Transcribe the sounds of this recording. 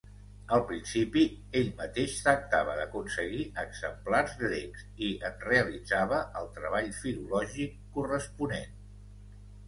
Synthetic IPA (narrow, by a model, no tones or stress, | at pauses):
əlˠpɾinsipi | eʎmət̪eʃt̪ɾək̚t̪aβ̞əðəkunsəɣiʔəɡz̥əmplarzɣɾekz | iənreəlid͡zaβəʔəlˠt̪ɾəβ̞aʎfilulɔʒikːurəspunen